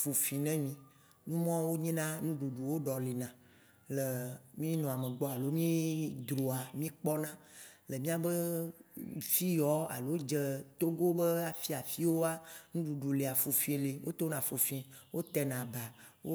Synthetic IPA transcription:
fu˨fi˨nɛ̃˦mĩ˨ | nũ˦mɔ̃˦wo˦ɲɛ̃˦nã˦nũ˦ɖu˨ɖu˨wo˦ɖɔ˨li˨nã˨ | le˨mĩ˦nɔ̃˨a˨mẽ˨ɡ͡bɔ˦a˨lo˦mĩ˦d̪ɾo˨a˨mĩ˦k͡pɔ˦nã˦le˨mĩ˦a˦bə˦ | fi˦jɔ˦a̰˨lo˨˦wo˦d͡ʒe˦t̪o˦ɡo˦be˦a˨fi˦a˨fi˦wo˦a˦nũ˦ɖu˨ɖu˨le˨a˨fu˨fĩ˦le˨wʔo̰˦t̪o˦nã˨fo˨fĩ˦wo˦t̪ɛ˦nã˨ba˨wo˦

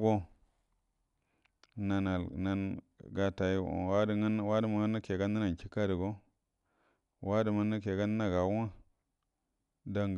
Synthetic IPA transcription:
ɡo˦ | na˨na˨lna˦n | ɡa˨ta˨ḭ˦˨a˦dn˦wa˦di˦ma˨˦a˦na˦ke˨ɡa˦nːa˦na˨n˨t͡ʃi˦ka˦di˨ɡo˦ | wʔa˦di˨ma˦nːa˦ke˨ɡa˦n˦a˦ɡa˨˦wa˦ | da˦ŋ˨

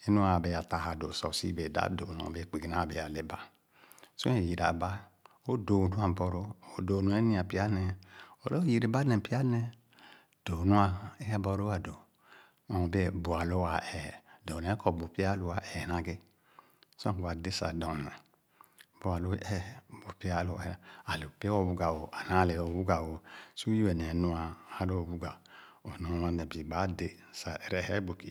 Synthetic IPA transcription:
e˦nu˦a˨be˨ja˨ta˨ha˨do˨sɔ̰˨sḭ˦be˨da̰˦do˨n˨o̰˨be˦˨k͡pe˨ɡi˨na˦˨be˨ja˨le˨ba˦ | su˦e˨ji˨ɾa̰˨ba˦ | o˦do˨du˦a˨bɔ˨ɾo˦o˨do˨nu˨˦e˦nĩ˦a˨pi˦a˦nɛ˨o˨lɔ˦ji˨ɾe˨ba˦nɛ˨pi˦a˦nɛ˨ | d̥o˨nu˦a˦e˦ja˦bɔ˦ɾo˦a˨do˨ | ɔ˨be˦bu˨a˨lo˦wa˨ɛ˨dɔ˨nɛ˨˦kɔ˨bu˨pi˦a˦lo˨wa˨ʔɛ˨nã˨ɡe˦ | sɔ̃˦kba˨de˦sa̰˨dɔ˨nɛ˨ | bo˨˦a˨lo˦ɛ˦bo˨pi˦a˦˨lo˨˦˨a˨lo˨pwo˦˨bu˦ɡa˨wo˨ʔa˨na˨˦le˨o˨bu˦ɡa˨wo˨su˦ji˦ɛ˨nɛ˨˦nu˦a˨a˦lo˦o˨bu˦ɡa˨o˨no˨wa˦nɛ˨bi˨ba˨˦de˨ | sa˨ɾɛ˦˨hɛ˦bo˨ki˨

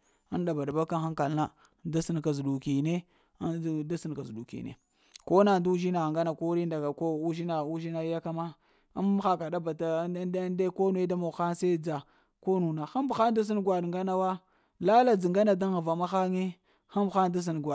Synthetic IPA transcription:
a˦nda˨ba˨da˨ba˦ka˦nxa˦ŋka˨lna˦ | da˦si˦nka˨zu˨ɗu˨ki˨ne˦ | da˦si˦n˨ka˨zu˨ɗu˨kḭ˨nḛ˨ | ko˦na˨ndu˦u˦ʒi˦na˨ŋɡa˦na˨ko˦ɾi˦nda˨ɡa˨ko˦u˦ʒi˦na˨u˦ʒi˦na˦ja˦ka˦ma˦ | a˦m˦xa˨ka˨ɗa˦ba˨ta˨˦dde˦ko˦nu˨e˦da˦mo˨xa˦nse˦d͡za˨ | ko˦nu˨na˨xa˦mbxa˦n˦da˦s̬i˦nɡwa˨dŋɡa˦na˦wa˦ | la˦la˦˨d͡zi˨ŋɡa˦na˨da˦ŋ˦˨va˨ma˦xa˦ŋe˦ | xa˦mbxa˦n˦da˦s̬i˦n˨ɡwa˨

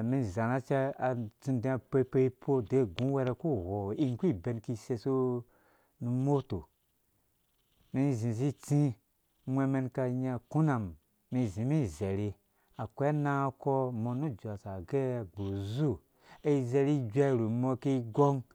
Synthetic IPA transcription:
mi˧˨za˨na˦t͡ʃe˦a˨t͡sĩ˧ndẽ˧˦a˧pe˦˧˦pe˦i˦pʰo˦de˨˦˨ɡũ˦we˧ɾe˧ku˦˨ho˨i˦ŋ˦kʷi˦˨be˧nki˧se˧so˦ | nu˧mo˦to˨ | mi˧˦˨zĩ˨zi˦t͡sĩ˦ | mʷe˧me˧nka˧ɲa˧ku˦na˨mː | i˨˧˨zĩ˨˦mi˦˨ze˨ɾi˧ | a˨kʷe˦na˦kɔ˦mo˧nu˦˨d͡ʒʷa˨sa˨ɡe˦a˨ɡ͡bo˨zu˦˨ | e˦i˦ze˧ɾi˦d͡ʒa˦˨ɾu˨mo˧ki˧i˦ɡo˦ŋ

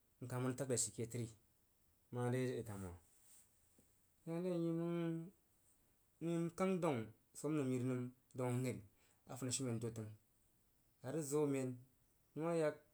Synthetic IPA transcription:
ŋ̩˨ka˨mu˦n˦ta˦k̚la˨ʃi˨ke˨ti˦ɾi˦˨˦ | ma˦de˦i˨ta˨m˨o˨ | ja˦n˦e˦˨ji˦mu˦ŋ | ni˦mka˦ŋdo˦˨ŋ | so˦mnu˨mji˨ɾnɨ˦m | do˨˦ŋ˦ŋe˦˨l | a̰˨fu˨na˨ʃi˦me˨n˨do˨ti˨˦ŋ | a˨ɾi˦zo˦me˨n | nu˦ma˦ja˦k̚

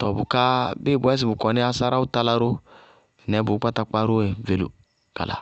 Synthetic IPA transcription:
tɔ˨bu˨ka˦be˦˨bu˨˦ɛ˦s̬i˨bu˨kɔ˨ni˦a˦sa˦ɾa˦u˦ta˦la˦ɾo˦˨ | nɛ˨˦bu˨˦ka˦ta˨k͡pa˦ɾo˦e˨ve˨lṵ˨ | ɡ̥a̰˨la̰˨

